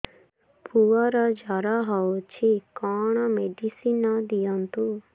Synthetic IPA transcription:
pʰuaɾad͡ʒaɾaɦaot͡ʃʰikaːɳ̃ameɖisinad̪ijant̪u

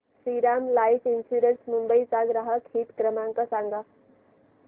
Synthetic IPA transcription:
siɾamlaifinsuɾənsmumbəit͡saɡɾəɦakʰiːt̪kɾəmãŋkasaŋɡa

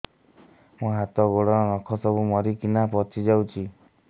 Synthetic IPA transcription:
mũɦat̪ɔɡoɽɔɾɔnɔkʰɔsɔbumɔɾikinapɔt͡ʃʰid͡ʒawt͡ʃʰi

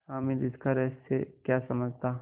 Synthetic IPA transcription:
aːmilɪskaɾɛːsːekjasɐməd͡ʒʱt̪a

